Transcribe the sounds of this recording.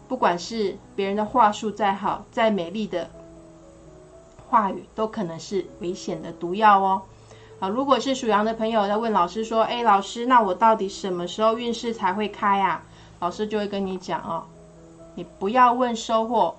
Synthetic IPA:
pu˥˩kwa˨˩nʂɻ̩˥˩pjɛ˧˥ɻə˧˦nd̪ə˧xwa˥˧ʂu˥˧t͡sa˥˩ɪxɑ˨˩˦ʊt͡sa˥˩ɪme˨˩ɪli˥˩d̪ə˩ | xwa˥˩y˨˩t̪o˥ʊkʰɤ˨˩nɤ˧˦ŋʂɻ̩˥˩we˧˥ɪɕjɛ˨˩nd̪ə˦t̪u˧˥jɑ˥˧ʊə˦ | ə˧ɻu˧˥kwɔ˨˩ʂɻ̩˥˩ʂu˨˩jɑ˧˥ŋd̪ə˨pʰɤ˧˥ŋjo˨˧ʊjʊwə˥˩nlɑ˨˩ʊʂɻ̩˥ʂwɔ˥ʔe˥˩ɪlɑ˨˩ʊʂɻ̩˥na˥˨wɔ˨˩t̪ɑ˥˩ʊt̪i˨˩ʂə˨˩nmə˦ʂɻ̩˧˥xo˥˧ʊy˥˧nʂɻ̩˥˩t͡sʰa˧˥ɪxwe˥˩ɪkʰa˥ɪa˨ | lɑ˨˩ʊʂɻ̩˥t͡ɕjo˥˧ʊwe˥˧ɪkə˥ni˧˥t͡ɕjɑ̰˨˩˦ŋɐ˧ | ni˨˩pu˧˦jɑ˥˧ʊwə˥˩nʂo˥ʊxwɔ˥˩

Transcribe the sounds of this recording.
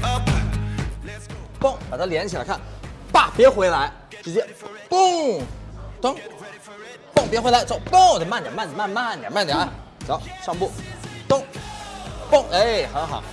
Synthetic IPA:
pɔ˥˩ŋpa˨˩t̪ʰa˥ljɛ˧˥nt͡ɕʰi˨˩a̰˧˥ɪkʰa˥˩npa˥˩pjɛ˧˥xwe˧˥ɪla˧˥ɪ | ʈ͡ʂɻ̩˧˥t͡ɕjɛ˥ | pʊ˥˩ŋ | t̪ʊ˥ŋ | pʊ˥˩ŋpjɛ˧˥xwe˧˥la˧˥ɪʈ͡ʂʊpʊ˥˧ŋt̪ə˨˩ma˥˩nt̪jma˥˩nt̪ma˥˧nma˥˩nt̪jma˥˩nt̪ja̰˨˧˦ | t͡ɕɑ˧˥ʊʂɑ˥˧ŋpu˥˩t̪ʊ˥ŋ | pʊ˥˩ŋʔe˥˩xə˧˥nxɑ˨˩˦

